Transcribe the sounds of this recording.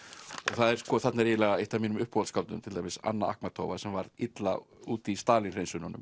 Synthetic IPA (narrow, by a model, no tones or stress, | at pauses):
ɔɣθaðɛɾ̥skɔːθat̪naɾilɛɣaejht̪avmiːnʏmʏhphɔwlskalt̪ʏ̰mt̪ʰɪlt̪ajmvɪsa̰nːaʔa̰hkmat̪ʰo̰ːwvasɛmvaɾðɪt̪lauːt̪ist̪aːlinrejnsʏnɔnːʏ̰m